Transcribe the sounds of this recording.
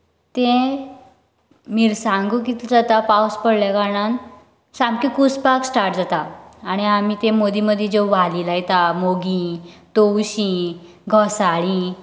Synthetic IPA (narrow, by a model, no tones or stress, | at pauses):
t̪ẽ | miɾsãŋɡukit̪d͡zat̪apawspəɽlakaɳan | sãmkikut͡spaksʈaɾʈ̚d͡zat̪aːɽ̃iam̤it̪ẽmod̪iməd̪ʱjed͡ʑewʋaliːlajt̪amoɡĩt̪owɕĩ | ɡʱɔsaɭĩ